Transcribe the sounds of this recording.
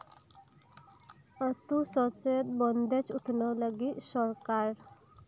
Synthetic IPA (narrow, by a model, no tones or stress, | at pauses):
ət̪usɔt͡ʃɔjət̪̚bɔnd̪et͡ʃʰut̪ʰnɔləɡisɔɾkaɾ